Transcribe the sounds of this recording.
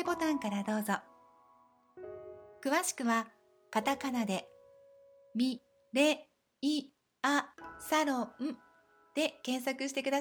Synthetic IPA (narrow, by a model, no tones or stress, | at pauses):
ebo̞t̪ãŋkaɾad̪o̞ːzo | kɯ̟βaɕi̥kɯ̟βa | kat̪akanad̪e̞ | mʲi | ɾe̞ | i | asaɾõɯ̟̃ | d̪̥e̞kẽ̞ɰ̃sakɯ̟ɕi̥t̪e̞kɯ̟d̪a